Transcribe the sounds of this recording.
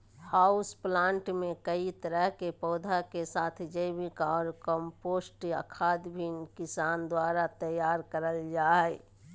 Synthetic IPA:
haʊsplãːɳʈmẽkəit̪əɾəɦkepɔːd̪ʱakesaːt̪ʰd͡ʒəɪbikaɔːɾkə̃mpoːsʈiə̰kʰaːd̪bʱinkɪsaːnd̪waɾat̪əjaːɾkəɾəld͡ʒaːɛ

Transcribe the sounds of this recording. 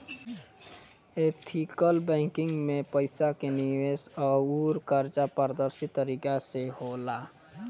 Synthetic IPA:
eːt̪ʰikəlbɛ̃ːŋkɪ̃ŋɡmẽpəɪsakeniʋesɔːuːɾkəɾt͡ʃapəɾd̪əɾsɪt̪ːəɾikasehoːlaː

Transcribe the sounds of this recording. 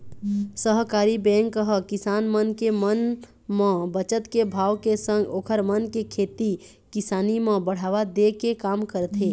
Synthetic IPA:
səɦkaːɾibɛ̃ːŋkəɦəkɪsaːnmənkemən | mə̃bət͡ʃət̪kebʱaːʋkesə̃ŋɡoːkʰəɾmənkekʰeːt̪i | kɪsaːnimə̃bəɽ̤aːʋad̪ekekaːmkəɾt̪ʰeː

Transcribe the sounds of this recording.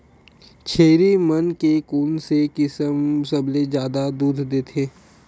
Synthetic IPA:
t͡ʃʰeːɾimənkekuːnsekɪsəmsəbʱled͡ʒjaːd̪ad̪uːd̪ʱd̪eːt̪ʰeː

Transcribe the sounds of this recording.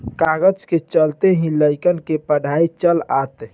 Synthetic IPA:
kaɡəd͡ʒket͡ʃəlt̪eɦĩləjkənkepəɖʱait͡ʃəlat̪

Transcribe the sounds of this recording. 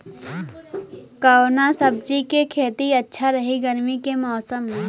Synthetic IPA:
kaonasəb̚d͡ʒikekʰeːt̪iɐtːʃʰaɾɐɦiɡəɾmikemɔːsəmɦɛ̃ː

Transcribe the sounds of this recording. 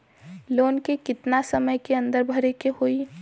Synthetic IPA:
loːnkekɪt̪nasəməjkeə̃nd̪əɾbʱəɾekehoːi

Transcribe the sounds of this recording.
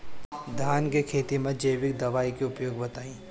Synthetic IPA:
d̪ʱaːnkekʰeːt̪imɐ̃d͡ʒɐjʋɪk̚d̪ɐʋaːikeʊpjoːɡbɐt̪aːĩː

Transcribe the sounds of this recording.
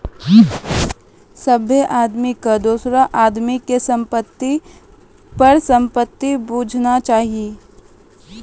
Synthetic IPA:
səbʱeʔaːd̪mikad̪uːsɾaʔaːd̪mikesɐ̃mpət̪ːi | pɐɾsɐ̃mpət̪ːibuːd͡ʒʱnat͡ʃaːɦie

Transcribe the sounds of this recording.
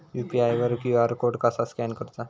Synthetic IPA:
jupiajʋəɾkjuaɾkoɖkasaskɛnkəɾt̪a

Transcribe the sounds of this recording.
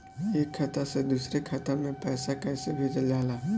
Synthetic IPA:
eːkʰːat̪ased̪uːsɾekʰat̪amẽpɛːsakɛːsebʱeːd͡ʒəld͡ʒaːlaː

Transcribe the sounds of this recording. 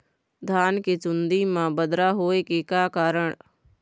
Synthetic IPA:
d̪ʱaːnket͡ʃʊnd̪imãbəd̪ɾaɦoːekekaːkaːɾəɽ̃

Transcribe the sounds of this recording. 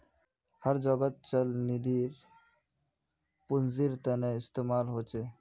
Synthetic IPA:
həɾd͡ʒəɡət̪̚t͡ʃəlnid̪iɾ | punziɾt̪ɛneɪst̪emaːlɦoːt͡ʃʰe

